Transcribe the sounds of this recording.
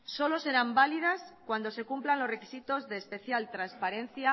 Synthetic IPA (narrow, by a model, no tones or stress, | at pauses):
so̞lo̞se̞ɾambalið̞askwand̪o̞se̞kumplanlo̞zre̞kisit̪ozðeːspe̞θjalt̪ɾanspaɾẽ̞n̟θja